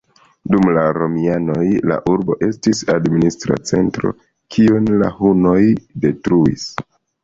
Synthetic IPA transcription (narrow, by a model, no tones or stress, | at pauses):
dumlaɾo̞miano̞jla̰ʔuɾbo̞̰ʔe̞stisadministɾa̰t͡se̞ntɾo̞̰ | kʰionla̰huno̞jde̞tɾuis